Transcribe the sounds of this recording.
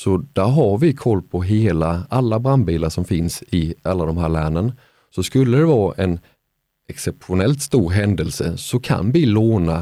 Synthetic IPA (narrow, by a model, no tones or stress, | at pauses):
sɔd̪̥æɾɦaɾvɪkʰɔlːpʰɔɦeːlaalːabɾand̪biːlaʂɔmfɪnsɪalːad̪ɔmɦæːɾɭæːɳən | sɔskɵlːəd̪ɛvɑːʔɛn | ɛksɛpɧʊnɛlt̪st̪uːɾɦɛnd̪əlsə̰sɔkʰa̰nvɪloːna